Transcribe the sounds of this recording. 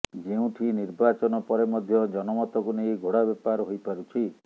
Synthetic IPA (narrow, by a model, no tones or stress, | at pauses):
d͡ʒeũʈʰiniɾbat͡ʃɔnɔpɔɾemɔd̪ʱjɔd͡ʒɔnɔmɔt̪ɔkunejɡʱoɽabɔpaɾɦojpaɾut͡ʃʰi